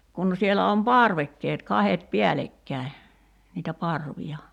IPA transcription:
kun sielæ om pɑrʋekːeːt kɑhet piælekːæˑi̞ niːtæ pɑrʋiɑ

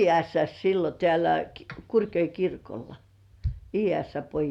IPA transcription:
iːæsːæs silːo tĕæˑlæ kurkjoi kirkolːɑ iːæsːæ pojis

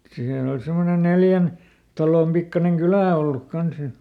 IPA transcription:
siːnæ ol semːone neljæn tɑloˑm pikːɑneŋ kylæˑ olːuk kɑns jɑ

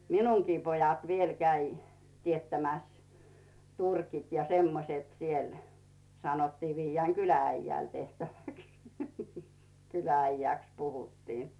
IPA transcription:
minuŋkiː pojɑt ʋiel kæi tietːæmæs turkit jɑ semːoset siel sɑnotːiː ʋiːjːæːŋ kylææijːæˑl tehtæʋæks kylææijæˑks puhutːiː

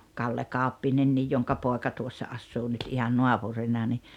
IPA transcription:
kɑlːe kɑˑu̞pːinenːij joŋkɑ poˑekɑ tuosːɑ ɑsːuː nyt ihɑn nuɑpurinːɑ ni

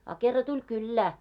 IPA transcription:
ɑ kerːɑ tulʲ kylːæː

